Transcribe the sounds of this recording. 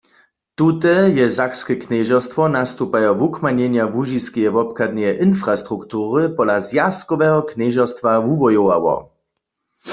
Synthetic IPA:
t̪ut̪ɛjɛzakskɛknɛʒɔst̪vɔnast̪upajɔvukmaɲɛɲjavuʒiskijɛvɔpkad̪̚nɛjɛʔinfʁast̪ʁukt̪uːʁɨpɔlazjaskɔʋɛɦɔknɛʒast̪ʋavuvɔjɔwa̰wɔ̰

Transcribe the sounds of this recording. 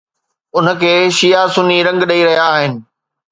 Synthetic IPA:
ʊnə̆kʰeːʃijasʊniɾɐ̃ŋɡɗɐiɾɐɦijaːɦɪnɪ̆

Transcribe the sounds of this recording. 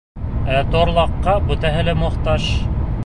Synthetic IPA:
æt̪oɾlˠɑqːɑbɵ̆t̪æɦɘ̆lɘmŏχt̪ɑʃ

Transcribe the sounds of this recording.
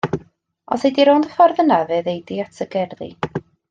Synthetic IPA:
ɔ̰sejdiɾowndəfɔrðənaveːðejdiatʰəɡɛrðḭ

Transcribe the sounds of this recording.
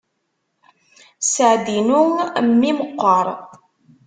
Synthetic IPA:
səʕd̪inuŋmːiməqːəɾˤ

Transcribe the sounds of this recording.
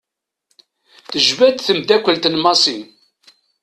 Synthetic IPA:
θəʒvæd̪θəmd̪ækʷːəlt̪nmɑsˤin

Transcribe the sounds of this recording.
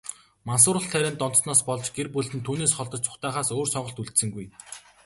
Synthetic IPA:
mans̬ʊːɾə̆ɬt̪ʰæɾʲæːnt̪ɔnt̪̆snɔːspɔɮt͡ɕɡerpɵɮt̪ɘ̆nt̪ʰuːneːsχɔɮt̪ɞ̆t͡ɕt͡sʰʊ̥χt̪aːχaːsoːrsɔɴɢɞ̆ɬt̪uɮt̪sɘ̆ŋɡuj

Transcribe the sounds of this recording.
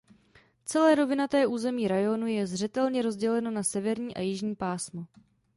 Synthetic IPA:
t͡sɛlɛːɾo̞vɪnat̪ɛːʔuːzɛmiːɾajonujɛzr̝ɛt̪ɛlɲɛɾo̞zɟɛlɛno̞nasɛvɛɾɲiːʔa̰jɪʒɲiːpaːsmo

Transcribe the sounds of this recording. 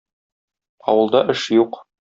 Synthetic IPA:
ɒ̰wɤ̆lˠd̪ɑʔɘʃjuq

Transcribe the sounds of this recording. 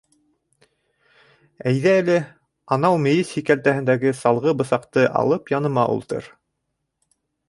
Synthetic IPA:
æjðæːlɘ | ɑnɑwmɘ̆jɘshikælt̪æhɘ̆nd̪æɡɘsɑlˠʁɤbɤ̆sɑqt̪ɤʔɑ̰lˠɤpjɑnɤ̆mɑʔṵlˠt̪ɤ̰ɾ

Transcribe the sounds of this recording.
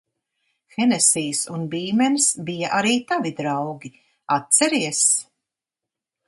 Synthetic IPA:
xɛnɛsiːjsunbiːmɛnsbijaʔaɾiːt̪avid̪ɾawɡʲi | at̪̚t̪sɛɾiɛs

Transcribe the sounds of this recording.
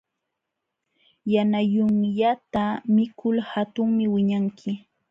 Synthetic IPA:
janajʊŋʎat̪amɪkʰʊlhat̪ʊŋmɪwɪɲaŋkʰɪ

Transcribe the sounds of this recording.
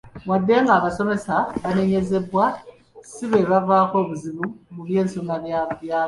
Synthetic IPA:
wadːe̞ːŋɡaːβaso̞me̞saβane̞ɲe̞ze̞βwa | siβe̞βavaːko̞βuziβumuβje̞ːnsonaβjaβjaː

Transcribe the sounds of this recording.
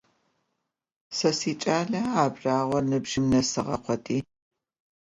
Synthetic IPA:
sɐsiːt͡ʃʼaːɮɐaːbraːʁʷɔnɨbʒɪmnɐsɨʁɐ̰qʷʰɔtʼiː

